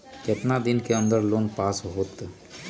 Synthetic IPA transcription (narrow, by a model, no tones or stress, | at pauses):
kɪt̪nad̪ɪnkeə̃nd̪əɾloːnpaːsɦoːt̪